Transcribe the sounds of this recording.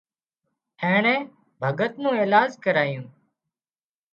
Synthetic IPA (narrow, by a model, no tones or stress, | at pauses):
heːɳẽː | bʱəɡət̪nũːeːlaːd͡ʒkəɾaːjũː